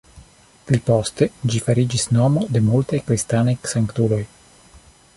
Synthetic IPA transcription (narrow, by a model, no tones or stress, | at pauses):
plipost̪e̞d͡ʒifaɾid͡ʒisno̞mo̞de̞multajkɾist̪anajsaŋkt̪ulo̞j